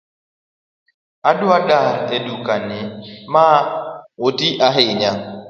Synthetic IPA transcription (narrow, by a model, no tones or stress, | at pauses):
aduaɗaɾedukanɪmaotiʔaɦɪɲaŋ